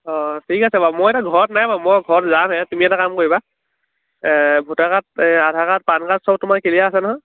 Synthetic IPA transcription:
ɔtʰikasɛbamojɛtaɡʱɔɹɔtnajbamɔɡʱɔtzanɦɛtumiɛtakamkoɹiba | bʱutakat̚adʱakat̚pankatsɔb̚tʊmaɹkelijaːsɛnɔɦɔj

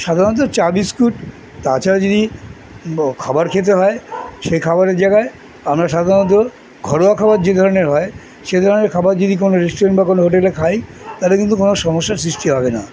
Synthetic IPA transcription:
ʃad̪ʱaɾnɔt̪̬ot͡ɕaɾbiskuʈ | t̪at͡ɕʰaɾad͡ʑod̪i | kʰabaɾkʰet̪̬eɦɔeʃejkʰabaɾeɾd͡ʑaɡae | amɾaʃad̪ʱaɾonɔt̪̬o | ɡʱɔɾoakʰabaɾd͡ʑed̪ʱɔɾoneɾɦɔe | ʃed̪ʱɔɾoneɾkʰabaɾd͡ʑod̪ik̬onoɾesʈoɾenʈbakonoɦoʈelekʰajt̪alekĩnt̪ukonoʃɔmoʃːaɾsɾiʃʈiɦɔbena̰

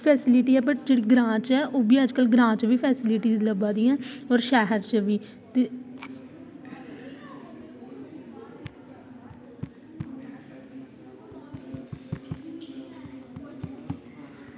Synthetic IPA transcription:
pʰɛːsɪlɪʈiːɛːbəʈ̚d͡ʒeːɽiːɡɾãːt͡ʃɛːʔoːbiːəd͡ʒkəlɡɾãːt͡ʃʋiːpʰɛːsɪlɪʈiːzləbaːd̪iːãːɔːɾʃɛːɦəɾt͡ʃʋiː | t̪e

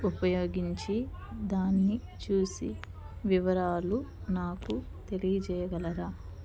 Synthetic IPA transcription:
upɐjo̞ːɡiɲt͡ʃi | d̪aːnːi | t͡ʃuːsḭ | ʋiʋɐɾaːlunaːku | t̪e̞lijɐt͡ʃɛːjɐɡɐlɐɾaː

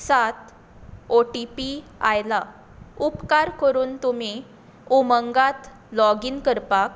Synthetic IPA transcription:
sat̪ | oʈipiajla | upkaɾkəɾuːnt̪umi | uməŋɡat̪ | lɔɡiːnkəɾpak

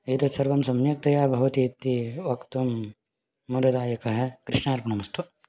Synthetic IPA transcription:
it̪ɐsɐɾʋɐmsɐmjɐk̚t̪ɐjaːbʱɐʋɐt̪it̪ːiʋɐkt̪ɐmː | ud̪ɐd̪aːjɐkɐɦɐkɾiʂɳaːɾpɐnɐmɐst̪ʰu

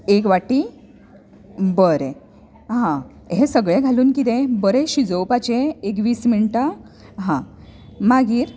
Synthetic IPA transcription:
ekʋaʈi | bəɾe | ɦã | ɦesəɡɭẽɡʱaluːnkit̪̬ɛ̃bəɾeɕid͡zəwpat͡ɕeek̬ʋiːsmiɳʈa | ɦã | maɡiːɾ

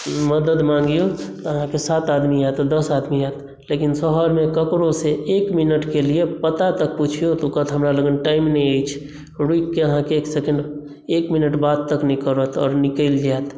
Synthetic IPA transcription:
məd̪əd̪mãŋɡijot̪ɔəɦãkesaːt̪ad̪miat̪d̪əsad̪miaːt̪ | lekinsəɦəɾmẽkəkɾoseʔeːkminəʈkeliepət̪at̪ək̚put͡ʃʰijot̪okət̪ʰɦəmɾaləɡənʈaːɪmneait͡ʃʰ | ɾuikkːeəɦãkeːksekə̃ɳɖ | eːkminəʈbaːd̪̚t̪əknikəɾət̪ɔ̰ːɾnɪkəld͡ʒat̪

